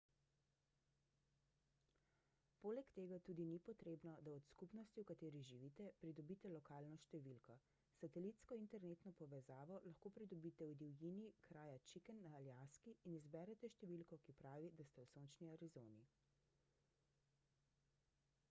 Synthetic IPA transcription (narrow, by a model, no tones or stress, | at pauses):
poːlɛkt̪eːɡat̪uːd̪inipɔt̪ɾeːbnɔd̪aɔt̪skupnɔst̪iwkat̪eːɾiʒiʋiːt̪ɛpɾid̪ɔbiːt̪ɛlɔkaːlnɔʃt̪ɛʋilkɔ | sat̪ɛliːt̪skɔint̪ɛɾneːt̪nɔpɔʋɛzaːʋɔlaxkoːpɾid̪ɔbit̪ɛwd̪iwjinikɾaːjat͡ʃikɛnːaːljaskiːnizbɛɾɛt̪ɛʃt̪ɛʋilkɔkipɾaːʋid̪ast̪ɛwsoːnt͡ʃniaɾizoːni